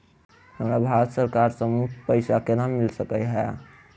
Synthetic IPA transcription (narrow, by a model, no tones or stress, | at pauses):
həmɾabʱaɾət̪səɾkaɾsəmupəɪsakenamilsəkəjɦɛ